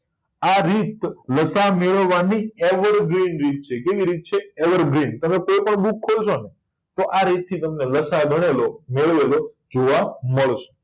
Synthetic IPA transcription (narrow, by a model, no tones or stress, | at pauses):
aɾit̪ləsameɭəʋʋːanieʋəɾɡɾinɾit̪̚t͡ʃʰekeʋiɾit̪̚t͡ʃʰeeʋəɾɡɾint̪əmepopəɳbukʰːot͡ʃʰone | t̪oʔaɾit̪̚t̪ʰːit̪əmneləsaɡʱəɽ̃elomeɭʋelo | d͡ʒoʋaməɭʃo̥